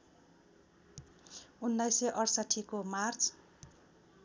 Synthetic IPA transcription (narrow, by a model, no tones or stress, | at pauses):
unːajseʔʌrsaʈʰːikomart͡s